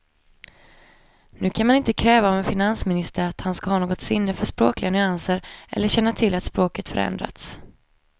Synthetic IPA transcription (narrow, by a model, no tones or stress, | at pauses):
nʉ̟ːkʰanmanɪnt̪əkʰɾɛːvaɔvɛnfɪnansmɪnɪst̪əɾat̪hanskahɑːnoːɡɔt̪sɪnːəfœʂpɾo̰ːklɪɡanʏansəɾʔɛ̰lːəɕɛnːat̪ʰɪlːat̪spɾoːkət̪fœɾɛ̰nd̪ɾa̰t̪s